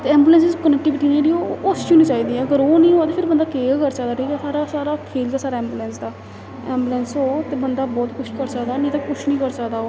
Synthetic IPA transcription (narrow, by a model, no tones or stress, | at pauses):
t̪eɛ̃ːmbuːlɛ̃ːnsɪzkənɛk̚ʈɪʋɪʈiːnd͡ʒeɽiːoːost͡ʃʰũːnĩːt͡ʃaːiːd̪iːɛːəɡəɾoːnĩːɦoːaːt̪eːpʰɪɾbənd̪aːkeːɡkəɾsəkd̪aːʈʰiːkɛːsaːɾaːsaːɾaːkʰeːlkaːsaːɾaːɛ̃ːmbuːlɛ̃ːnsd̪aː | ɛːmbuːlɛːnsɦoːt̪eːbənd̪aːbɔːt̪kʊt͡ʃʰkəɾsəkd̪aːnĩːt̪akʊt͡ʃʰnĩːkəɾsəakd̪aːoː